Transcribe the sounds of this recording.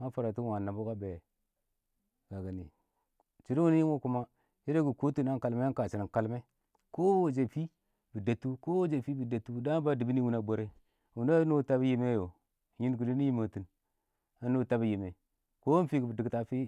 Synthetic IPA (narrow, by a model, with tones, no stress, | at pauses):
a˦nfa˨ɾa˨tu˦wa˨na˨bo˦ka˦be˨ | ɡ̥a˨ɡa˨nḭ˨ | t͡ʃi˨ɾi˦wu˦n˦ji˦wo˦ku˦ma˦ | ji˦ɾe˦ɡu˨ko˦tu˦˨na˦ŋka˨lme˦a˦nka˨t͡ʃi˨ni˨ŋka˨lme˦ | ko˦wo˨d͡ʒe˨fi˦ | bi˨da˨tːu˦ko˦wo˦d͡ʒe˨fi˦bi˨da˨tːu˦da˦ba˦di˨bi˦ni˦wu˦na˦bo˨ɾe˦˨ | wu˨na˦no˦ta˦bji˦me˦jo˨ | ji˦nɡu˨li˦ni˦ji˦ma˨tu˨n | a˦no˦ta˦bi˦ji˨me˨ | ko˦fi˦ɡi˨bi˨di˨ɡta˦fi˦